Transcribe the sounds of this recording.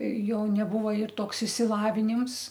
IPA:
ˈjoː nʲɛˈbʊʋoː ɪr ˈtoːks ɪʃʲsʲɪlˠɐʋʲɪˈnʲɪms

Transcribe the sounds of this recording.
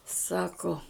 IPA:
ˈsɑːkoː

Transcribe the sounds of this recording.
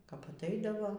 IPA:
kɐp ɐtˈɐɪdɐʋoː

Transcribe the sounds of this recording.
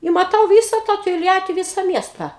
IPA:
ɪ mɐˈtɐʊ ˈʋʲiːsɐ tɑː toːlʲˈjæːtʲɪ ˈʋʲiːsɐ ˈmʲiɛstɐ

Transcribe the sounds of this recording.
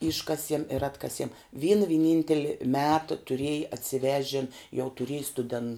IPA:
ˈɪʃkɐsʲiɛm ɪr ˈɑːtkɐsʲiɛm ˈʋʲiːnɐ ʋʲɪˈnʲɪnʲtʲɛlʲɪ ˈmʲæːtɐ tʊˈrʲeːjɪ ɐtʲsʲɪˈʋʲæːʒʲɛn jɛʊ tʊˈrʲiɛj stʊˈdʲɛn

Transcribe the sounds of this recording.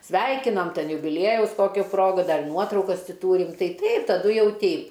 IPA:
ˈsʲʋʲɛɪkʲɪnɐm ˈtʲɛn jʊbʲɪˈlʲiɛjɛʊs ˈkoːkʲʊ ˈproːɡʊ ˈdɐr ˈnuɔtrɐʊkɐs ˈtʲɪ ˈtuːrʲɪm ˈtɐɪ ˈtɐɪp tɐˈdʊ ˈjɛʊ ˈtʲɛɪp

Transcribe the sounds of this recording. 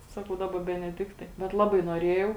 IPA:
ˈsɑːkɐʊ ˈdɑːˌbɐ bʲɛnʲɛˈdʲɪktɐɪ bʲɛt ˈlˠɑːbɐɪ noːˈrʲeːjɛʊ

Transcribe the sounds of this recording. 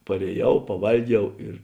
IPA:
pɐrʲeːˈjɛʊ pɐˈʋɐlʲˌɡʲɛʊ ɪr

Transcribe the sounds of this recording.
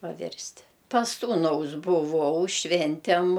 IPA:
pɐˈʋʲɪrʲsʲtʲɪ pɐs ˈsuːnɐʊs bʊˈʋɐʊ ˈʃʲʋʲɛnʲtʲɛm

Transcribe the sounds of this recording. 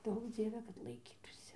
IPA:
ˈduɔk ˈd͡zʲiɛʋʲɛ kɐt lˠɐɪˈkʲiːtuːsʲɪ

